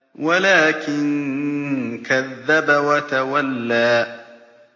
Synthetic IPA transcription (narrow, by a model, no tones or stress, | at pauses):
walaːkɪŋ | kaðːabawɐtawalːaː